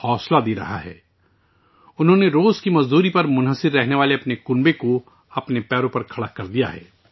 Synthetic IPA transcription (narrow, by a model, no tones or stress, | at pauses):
hɔːslad̪iɾɐ̰ɦa̰ɦɛ̰ː | ʊnɦõːneɾoːzkimɐzd̪uːɾipɐɾmʊnɦəsɪɾːɛɦneʋaːleɐpnekʊnbeko | ɐpnepɛːɾõpɐɾkʰɐɽakɐɾd̪ija̰ɦɛ̰ː